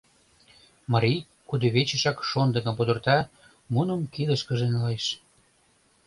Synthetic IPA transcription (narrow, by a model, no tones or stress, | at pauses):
mɑɾʲij | kud̪eβet͡ɕə̆ʃɑkʃond̪ə̆kə̆mpud̪ə̆rt̪ɑ | munə̆mkid̪ə̆ʃkə̆ʒenleʃ